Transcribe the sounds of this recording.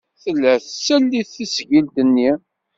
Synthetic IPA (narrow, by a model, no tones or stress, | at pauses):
θəlːæθsælːiθːisʝilt̪ənːi